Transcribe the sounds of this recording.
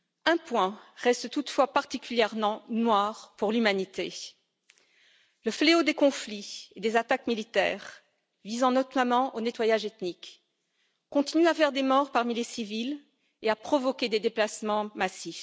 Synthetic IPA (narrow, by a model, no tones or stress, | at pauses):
ɛ̃pwɛ̃ʁɛst̪t̪ut̪fwapaʁt̪ikʲyljɛʁmɑ̃nwaʁpuʁlymanit̪e | ləfleod̪ekɔ̃flied̪ezat̪akmilit̪ɛ̰ːʁ | vizɑ̃nɔt̪amɑ̃ʔonet̪wajaʒet̪nik | kːɔ̃t̪inyafɛʁd̪emɔʁpaʁmilesivil | eapχɔvɔkʲed̪ed̪eplasmɑ̃masif